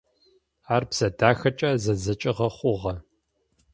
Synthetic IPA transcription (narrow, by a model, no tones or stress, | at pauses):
aːrpsɐdaːxɐt͡ʃʼɐzɐzɐt͡ʃʼɪʁɐχʷʊʁɐ